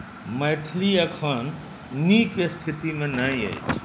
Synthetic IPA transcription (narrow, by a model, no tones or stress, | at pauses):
mɐjʈʰliɐkʰan | nikest̪ʰit̪imẽnaːĩɐ̰jt͡ʃʰ